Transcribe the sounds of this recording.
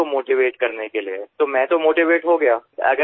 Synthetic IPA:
omoːʈiʋeːʈkɐɾnekeliet̪omɛ̃ːt̪omoːʈiʋeːʈɦoɡɐjaːɐ̰ɡə

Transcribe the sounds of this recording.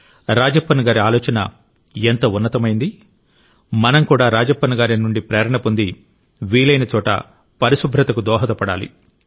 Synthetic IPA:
ɾaːd͡ʒɐpːɐnɐɡaːɾiaːlɔːt͡ʃɐnɐ̰ | ent̪ɐunːɐt̪ɐmɐjind̪i | mɐnɐmkuːɽaːɾaːd͡ʒɐpːɐnuɡaːɾinuɳɖipɾɛːɾɐɳɐpund̪i | ʋiːlɐjnɐt͡ʃɔːʈɐ̰ | pɐɾiʃubʱɾɐt̪ɐkud̪ɔːɦɐt̪ɐpɐɽa̰ːlḭ

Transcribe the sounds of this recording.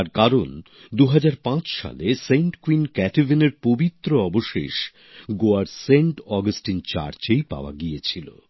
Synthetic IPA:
aɾkaɾon | d̪uɦad͡ʑaɾpãt͡ɕʃa̰leseɳʈkwinkɛʈivʱineɾpobit̪ːɾoɔboʃḛʃ | ɡoaɾseɳʈɔɡasʈint͡ɕa̰ɾt͡ɕejpa̰oa̰ɡiet͡ɕʰilo̰

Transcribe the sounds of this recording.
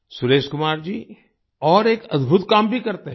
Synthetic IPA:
sʊɾeːʃkʊmaːɾd͡ʒiː | ɔːɾeːkɐ̰d̪bʱʊt̪kaːmbʱikɐɾt̪eɦ

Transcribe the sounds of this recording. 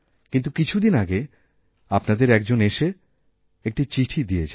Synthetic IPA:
kint̪̬ukit͡ɕʰud̪inaɡe | apnad̪eɾɛk̚d͡ʑoneʃe | ek̚ʈit͡ɕiʈʰid̪ijet͡ɕʰa

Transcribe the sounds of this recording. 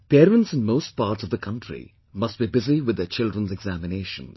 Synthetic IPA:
pɛːɾə̃nʈsɪ̃nmoːsʈ̚paːɾʈsɔvd̪əkʰʌ̃nʈɾḭ | mʌsʈ̚bibɪziʋɪd̪ːet͡ʃɪldɾə̃nzɛɡzæmɪneːʃə̰̃nz

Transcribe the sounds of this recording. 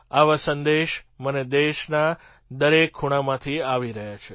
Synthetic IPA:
aʋasənd̪eʃməned̪eʃna | d̪əɾekʰːuɽ̃amãt̪ʰiaʋiɾəɦjat͡ʃʰe

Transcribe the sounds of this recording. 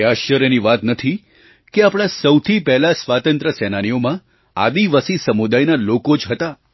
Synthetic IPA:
eaʃjəɾjəniʋat̪nət̪ʰi | keapɽ̃ãsəwt̪ʰipɛɦlasʋat̪ə̃nt̪ɾəsɛnañijomã | a̰d̪iʋasisəmud̪ajnalokod͡ʒɦət̪a

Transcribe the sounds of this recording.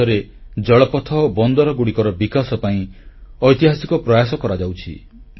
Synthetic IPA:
ɔɾed͡ʒɔɭɔpɔt̪ʰɔːbɔnd̪ɔɾɔɡuɽikɔɾɔbikasɔpaĩɔjt̪iɦasikɔpɾɔjasɔkɔɾad͡ʒawt͡ʃʰḭ

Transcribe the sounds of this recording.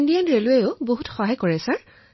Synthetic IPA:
ndijanɹeluejʊboɦutxɔɦajkɔɹɛsaɹ

